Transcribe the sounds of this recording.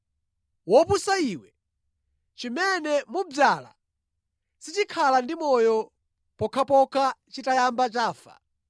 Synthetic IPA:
wɔpusaiwɛ | t͡ʃimɛnɛmub͡ʐaːla̰ | sit͡ʃikʰalandimɔjɔ | pɔkʰapɔkʰat͡ʃitajambat͡ʃaːfa̰

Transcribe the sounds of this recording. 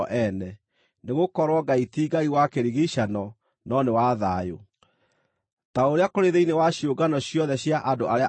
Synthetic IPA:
ʔɛnɛ | neɣokɔɾwɔɡaitiɡaiwakeɾiɣiɕanɔ | nɔnewaðajo̰ | taoɾeakoɾeðeinewaɕjoɡanɔɕjɔðɛɕjaʔadoaɾea

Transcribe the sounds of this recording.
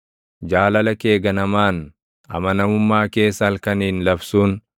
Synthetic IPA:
d͡ʒaːlɐlɐke̞ːɡɐnɐmaːn | ɐ̰mɐnɐmʊmːaːke̞ːsːɐːlkɐniːnlɐbsuːn

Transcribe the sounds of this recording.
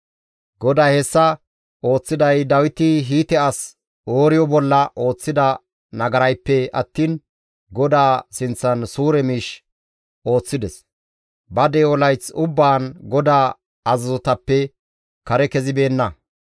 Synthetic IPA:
ɡɔd̪aːhɛsːɐ | o̞ːt͡sːɪd̪ɐjd̪ɐwɪt̪ɪɦiːt̪ɛɐs | oːɾɪjɔbɔlːɐʔo̞ːt͡sːɪd̪ɐ | nɐɡɐɾɐjpːɛɐ̰t̪ːiːn | ɡɔd̪aːsɪnt͡sːɐnsuːɾɛmiːʃ | o̞ːt͡sːɪd̪ɛs | bɐd̪ɛːɔlɐjt͡sʊbːaːnɡɔd̪aː | ɐzɐzɔt̪ɐpːɛ | kɐɾɛkɛzɪbe̞ːnːɐ

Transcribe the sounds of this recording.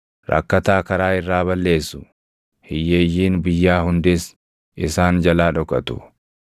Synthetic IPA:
ɾʔɐ̰kːɐt̪aːkɐɾaːɪrːaːβɐlːe̞ːsːʊ | hɪjːeːjːiːnbɪjːaːhʊnd̪es | ʔɪsaːnd͡ʒɐlaːᶑɔkʼɐt̪ʊ̥̰

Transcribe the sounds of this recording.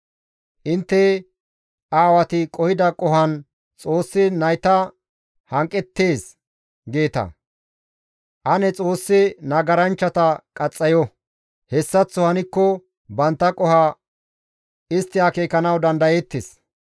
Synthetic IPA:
ʔɪnt̪ːɛ | aːwɐt̪ɪkʼɔhɪd̪ɐkʼɔɦɐn | t͡sʼo̞ːsːɪnɐjt̪ɐ | hɐŋkʼːɛt̪ːe̞ːs | ɡe̞ːt̪ɐ̰ | ʔɐnɛt͡sʼo̞ːsːɪnɐɡɐɾɐnt͡ʃːɐt̪ɐkʼɐt͡sʼːɐjɔ | hɛsːɐt͡sːʊhɐnɪkːɔ | bɐnt̪ːɐkʼɔha | ɪst̪ːɪakeːkɐnɐwd̪ɐnd̪ɐjɛt̪ːɪs

